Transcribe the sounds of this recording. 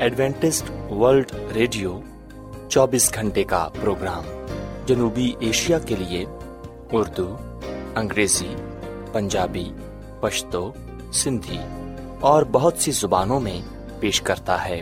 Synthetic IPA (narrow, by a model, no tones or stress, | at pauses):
ɛɖʋɛ̃ːɳʈɪsʈʋəɾlɖɾeːɖijo | t͡ʃɔːbiːsɡʱɐ̃ɳʈeka̰pɾoːɡɾaːmd͡ʒɐnuːbiʔeːʃijakelie | ʊɾd̪u | ɐ̃ŋɡɾeːzi | pɐ̃ɲd͡ʒaːbi | pɐʃt̪o | sɪ̃nd̪ʱi | ɔːɾbɐɦʊt̪sizʊbaːnõmẽ | peːʃkɐɾt̪aɦɛː